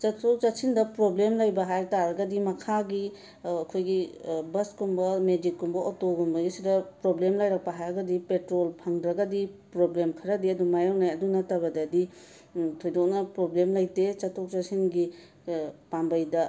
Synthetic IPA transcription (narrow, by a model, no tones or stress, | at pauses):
t͡ʃɐtʰok̚t͡ʃɐtsʰindɐpɾoblemlɐjbɐɦajtaɾɐɡɐdimɐkʰaɡi | ɐkʰojɡibɐskumbɐmed͡ʒikːumbɐʔotoɡumbɐɡisidɐpɾoblemlɐjɾɐk̚pɐɦajɐɡɐdipetɾolpʰɐŋdɾɐɡɐdipɾoblemkʰɐɾɐdiɐdumajawnajɐdunɐtɐbɐdɐːdi | tʰojdok̚nɐpɾoblemlɐjtet͡ʃɐtʰok̚t͡ʃɐsʰinɡi | pambɐjdɐ